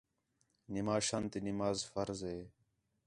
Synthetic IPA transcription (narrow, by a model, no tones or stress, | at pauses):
nɪmaːʃaːnt̪inɪmaːzfəɾzɦeː